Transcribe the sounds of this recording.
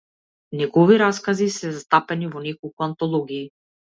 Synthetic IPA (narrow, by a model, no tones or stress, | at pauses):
nɛɡɔviɾaskazisɛzast̪apɛnivɔnɛkɔlˠkuant̪ɔlˠɔɡiː